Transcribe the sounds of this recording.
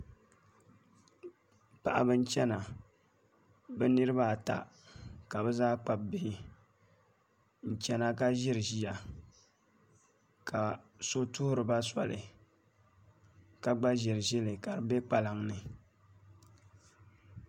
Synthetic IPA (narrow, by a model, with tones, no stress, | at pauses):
pa˨ʔa˨bɨ˦n˦t͡ʃɛ˦na˨ | bɛ˦nɨ˦ɾɨ˦βa˦˨ta̰˨ | ka˨bɛ˦zaː˦k͡pa˨b̚bi˦˨ | n̩˨t͡ʃɛ˦na˦ka˦ʒɪ˦ɾɨ˨ʒi˦ja˨ | ka˨so˦tʊ˦hʊ˦ɾɨ˨ba˦sa̰˨lɨ̰˨ | ka˨ɡ͡ba˦ʒɪ˨ɾɨ˨ʒɪ˦lɨ˨ka˨ɾɨ˨be˦k͡pa˨la˨ŋnɨ˨